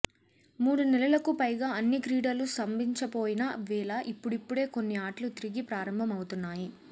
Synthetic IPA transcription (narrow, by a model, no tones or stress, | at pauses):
muːɽunɛlɐlɐkupɐjɡaːɐnːikɾiːɽɐlusɐmbiɲt͡ʃɐpo̞ːjinɐʋɛːlɐʔipːuɽipːuɽe̞ːko̞nːiaːʈlut̪iɾiɡipɾaːɾɐmbʱɐmɐwut̪unːaːji